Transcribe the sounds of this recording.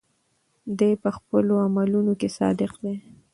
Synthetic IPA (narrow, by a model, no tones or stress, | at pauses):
d̪ejpəxpəloamalunokesɑ̰d̪ɪqd̪e